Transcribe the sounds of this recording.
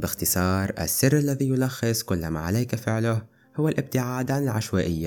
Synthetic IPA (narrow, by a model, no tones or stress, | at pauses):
bɪxt̪ɪsˤɑːɾˤʔa̰sːɪrːalːaðijʊlaxːɪskʊlːama̰ʕalejkafɪʕlʊh | hʊwːalʔɪb̚t̪ɪʕaːd̪ʕanɪlʕaʃwaːʔɪjːa